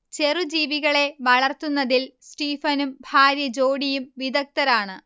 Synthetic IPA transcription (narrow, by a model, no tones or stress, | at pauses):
t͡ɕe̞rud͡ʑiːʋiɣɐɭe̞ʋɐɭɐrt̪unːɐðilsʈiːfɐnumbʱaːɾjɐd͡ʑo̞ːɽijumʋid̪ɐk̚t̪ɐɾaːɳɨ